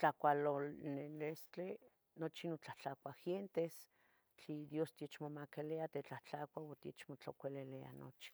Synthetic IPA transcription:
t͡ɬakʷalonelest͡ɬe | not͡ʃinot͡ɬaht͡ɬakʷaxjent̪es | t͡ɬid̪jost̪jet͡ʃmomakeleat̪et͡ɬaht͡ɬakʷawot̪jet͡ʃmot͡ɬokʷelelea̰no̰t͡ʃi̥

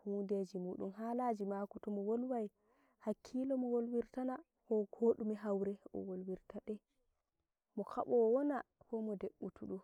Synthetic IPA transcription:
hunded͡ʒimuːɗṵmɦalad͡ʒimakutɔmɔwolwaj | hakʰːilɔmɔwolwiɾtana | kɔɡoːɗumɛɦawɾɛʔɔ̰wolwiɾtaɗɛ | mɔkʰa̰ɓɔwwɔnakɔmɔdeɓːutuɗɔ

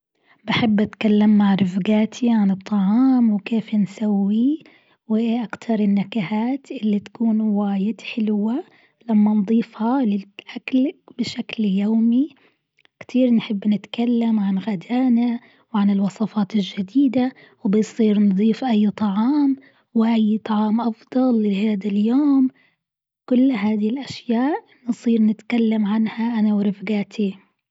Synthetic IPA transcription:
bɪħɪbːʔat̪kalːɪmːaʕɾɪfɡaːt̪ʰiʕanɨt̪ˤːɑʕɑːmwkeːfnsawːi | wɪʔakt̪ʰɑɾˤɪnːakahaːt̪ʔɪlːit̪ḁkuːnwaːjɪd̪ħɪlwa | lamːand̪ˤiːfhalɪʔaklbɪʃakljoːmi | kt̪ʰiːɾnħɪbːnɪt̪kalːamʕanɣad̪aːna | wʕanɪlwɑsˤɑfɑːt̪ɪlʒad̪iːd̪a | wbɪjsˤiːɾnd̪ˤiːfʔajːt̪ˤɑʕɑːm | wɪʔajːt̪ˤɑʕɑːmʔɑfd̪ˤɑlːɪhaːd̪aljoːm | kʊlːɦaːd̪hɪlʔaʃjaːʔ | nɨsˤiːɾnɪt̪kalːamʕanhaʔanawɾɪfɡaːt̪ʰi

